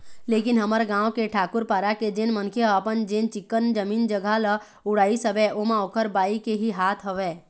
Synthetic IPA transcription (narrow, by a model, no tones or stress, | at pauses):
leːkɪnɦəməɾɡãːwkeʈʰaːkʊɾpaːɾaked͡ʒenmənkʰeəpənd͡ʒẽːnt͡ʃɪkːənd͡ʒəmiːnd͡ʒəɡʱalə | ʊɽaːisəbɛʔomãoːkʰəɾbaːikeɦiɦaːt̪ʰɦəʋɛː